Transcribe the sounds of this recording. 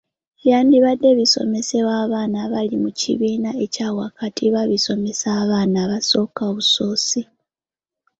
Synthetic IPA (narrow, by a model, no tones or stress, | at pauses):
jaːndiβadːe̞βiso̞̰me̞se̞waːβaːnaβalimucḭβiːnae̞caːwakatʰiβaβiso̞me̞saβaːnaβaso̞ːkaoβuso̞ːsi